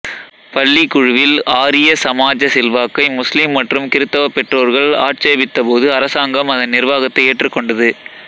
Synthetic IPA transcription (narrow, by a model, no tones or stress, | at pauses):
pɐlːikʊɻʊʋɪlaːɾɪjɐsɐmaːd͡ʒɐsɪlʋaːkːɐɪmʊslimːɐʈrɯmkɪɾɯt̪ːɐʋɐpːɛʈroːɾɣɐɭa̰ːʈt͡ʃeːbɪt̪ːɐpoːðɯɐɾɐsaːŋɡɐmɐðɐnːɪɾʋaːɣɐt̪ːɐɪeːʈrɯkːɔɳɖɐðɯ